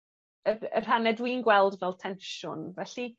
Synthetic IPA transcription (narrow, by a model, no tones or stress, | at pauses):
ərə̰r̥anɛdwiːnɡwɛlˠdvɛlˠtʰɛnʃʊnvɛɬi